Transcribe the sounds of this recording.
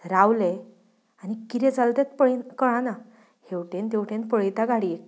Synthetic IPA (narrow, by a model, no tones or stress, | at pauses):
ɾawle | anikiɾẽd͡zalt̪et̪̚pəɭkəɭãna | hewʈẽnt̪ewʈẽnpəɭjt̪aɡaɽiːʈ̚